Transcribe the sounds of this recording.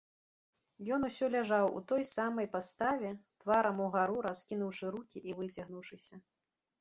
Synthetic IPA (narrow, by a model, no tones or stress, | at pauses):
jɔn̪usʲɔlʲaʐawṵt̪ɔjsamɐjpast̪avʲɛt̪vaɾɐmuɣaɾuɾaskʲinuwʂɨɾukʲiʔivɨt͡sʲaɣnuwʂɨsʲɐ